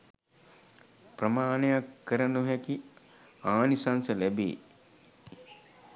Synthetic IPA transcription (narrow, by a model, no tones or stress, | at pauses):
prəmaːnejakːəɾənuɦæki | aːnisansəlæbḛː